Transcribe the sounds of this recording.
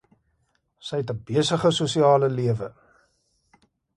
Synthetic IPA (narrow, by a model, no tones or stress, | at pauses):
səjɛtəbiəsəχəsusiɑːləliəvə